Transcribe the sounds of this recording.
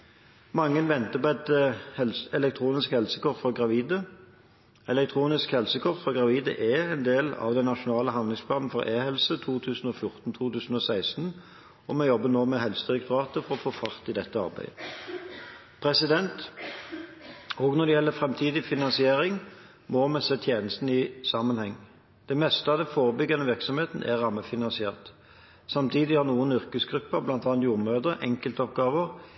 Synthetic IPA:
mɑŋːənʋɛnt̪əpɔɛt̪hɛlsɛlɛk̚t̪ʰɾuːnɪskhɛlsəkʰɔʁfɔɡʁɑʋiːd̪ə | ɛlɛk̚t̪ʰʁuːnɪskhɛlsəkʰɔʁt̪fɔɡʁɑʋiːd̪ə̰ʔɛɛnd̪eːlɑ̰ʋd̪ɛnːɑʃʊnɑːləɦɑnd̪lɪŋspʰlɑːnn̩fɔʁʔeːhɛlsət̪ʰuːt̪ʰʉːsn̩ɔfjʊʁt̪n̩t̪ʰuːt̪ʉːsn̩ɔsæɪst̪n̩ | ɔmɛjɔbːənoːmɛhɛlsəd̪ɪʁɛkt̪ʊɾɑːt̪əfɔʁɔfoːfɑʁt̪ɪd̪ɛt̪ːəɑ̰ʁbæ̰ɪə | pʰʁɛsɪd̪ɛnt̪ | ɔɡnɔʁd̪ɛjɛlːəfʁɛmt̪ʰiːd̪ɪfɪnɑnsɪeːʁɪŋ | mɔmɛsɛt̪ʰjeːnəst̪n̩ɪsɑmənhɛŋː | d̪̥ɛmɛst̪əɑʋd̪ɛnfoːʁəbʏɡːənəʋɪʁksɔmheːt̪n̩ʔɛ̰ʁːɑməfɪnɑnsɪeːʁt̪ | sɑmt̪ʰiːd̪ɪhɑʁnuːənʏɾkəsɡʁʉpːəblɑnt̪ɑːnt̪juːʁmøːd̪əʔɛ̰ŋkəlt̪əɔp̚ɡɑːʋəʁ

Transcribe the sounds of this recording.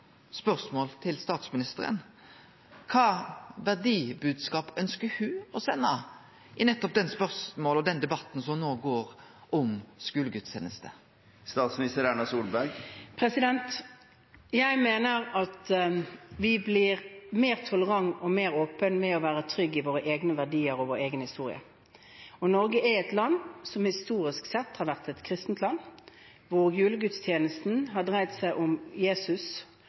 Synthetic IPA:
spœʁsmoːlt̪ʰɪlst̪ɑːt̪smɪnɪst̪əɾə̰n | kʰɑːʋæʁɖ̪iːbʉːd̪skɑːpœnskəhʉːɔsɛnːɑ | ʔɪnɛt̪ːɔp̚d̪ɛnspœʁsmoːlɔd̪ɛnd̪ɛbɑt̪ːn̩sɔmnoːɡoːɾ | ʔɔmskʉːləɡʉt̪ɕḛːnəst̪ə̰ | st̪ɑːt̪smɪnɪst̪əɾæɳɑsuːlbæɾɡpʰɾɛsɪd̪ɛnt̪ | jæɪmeːnəʁɑt̪ | ʋɪblɪʁmeːʁt̪ʰɔləʁɑŋːɔmeːʁoːpənmɛɔʋæːʁət̪ʰɾʏɡːɪʋoːʁəʔeːɡnəʋæʁdiːəɾɔʋoːɾeːɡənhɪst̪uːʁɪ̰ə̰ | ɔnɔɾɡəʔɛɛt̪lɑnsɔmhɪst̪uːɾɪsksɛt̪ːhɑɾʋæʁt̪ɛt̪kʰɾɪst̪n̩t̪ʰlɑnː | ʋʊʁjʉːləɡʉt̪st̪ʰjeːnəst̪n̩ɦɑɖʁæɪt̪sæɪʔʊmjeːsʉs

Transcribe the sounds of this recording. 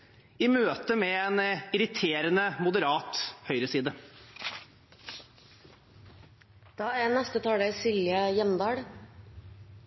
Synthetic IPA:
imøːt̪əmɛenɪɾɪt̪ʰeːɾənəmʊd̪əɾɑːt̪hœʏɾəsiːd̪ə | d̪̥ɑːæːnɛst̪ət̪ʰɑːɖesɪljəjɛmd̪ɑːɽ

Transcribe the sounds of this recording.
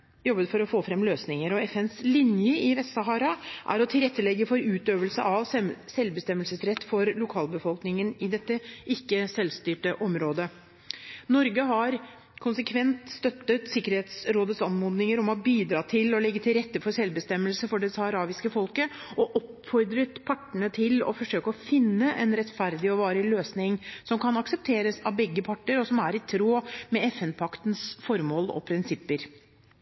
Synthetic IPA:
jɔbːət̪fɔɾɔfoːfɾɛmːløːsnɪŋəɾɔɛfɛnslɪnjəɪʋɛst̪sɑɦɑːɾɑʔæ̰ɾɔt̪ʰɪlɾɛt̪ːəlɛɡːəfɔɾʉːt̪øːʋəlsəʔɑʋsɛlbəst̪ɛmːəlsəsɾɛt̪ːfɔɾlʊkʰɑːlbəfɔlˠknɪŋənɪd̪ɛt̪ːəʔɪkːəsɛlst̪yːʈəʔɔmɾoːd̪ə | nɔɾɡəɦɑɾ | kʰʊnsəkʰʋɛnt̪st̪œt̪ːət̪sɪkːəɾheːt̪sɾoːd̪ət̪sɑnmuːd̪nɪŋəɾɔmɔbiːd̪ɾɑːt̪ʰɪlɔlɛɡːət̪ʰɪlɾɛt̪ːəfɔɾsɛlbəst̪ɛmːəlsəfɔɖɛsɑhɑɾɑːʋɪskəfɔlkəɔʔɔpfɔɾd̪ɾət̪pʰɑʈːəɳət̪ʰɪlɔ̰fɔʂøːkəɔfɪnːəʔɛnɾɛt̪fæɾd̪ɪɔʋɑːɾəløːsnɪŋsɔmkʰɑnɑksəp̚t̪ʰeːɾəsɑʋbɛɡːəpʰɑʈːəɾɔsɔmæɾɪt̪ʰɾoːmɛɛfɛnpʰɑkt̪n̩sfɔɾmoːlɔ̰pʰɾɪnsɪpːəɾ

